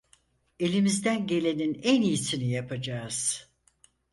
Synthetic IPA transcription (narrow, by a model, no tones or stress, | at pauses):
e̞lʲimizd̪ænɟe̞lʲe̞ninænijisinijapʰad͡ʒaːz̥